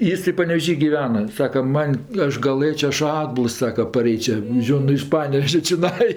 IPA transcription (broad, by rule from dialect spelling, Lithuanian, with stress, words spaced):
ˈjɪs tɐɪ pɐnʲɛʋʲeːˈʒʲiː ɡʲɪˈʋʲæːnɐ ˈsɑːkɐ ˈmɐnʲ ˈɐʃ ɡɐˈlˠɘt͡ʃʲɛ ˈɐʃ ˈɑːdbʊlˠs ˈsɑːkɐ pɐˈrʲɛɪt͡ʃʲɛ ˈʒʲoːn nʊ ɪʃ ˈpɑːnʲɛʋʲɛʒʲɛ t͡ʃʲɪˈnɐɪ